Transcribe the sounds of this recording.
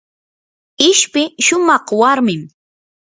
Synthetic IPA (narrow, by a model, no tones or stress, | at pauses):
ɪʃpɪʃʊmɑχwaɾmɪm